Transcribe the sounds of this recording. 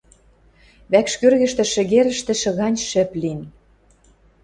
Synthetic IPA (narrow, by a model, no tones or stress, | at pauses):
βækʃkørɣɘ̆ʃt̪ĕʃɘ̆ɣeɾə̆ʃt̪ɘ̆ʃɤ̆ɣɑnʲʃɘ̆plin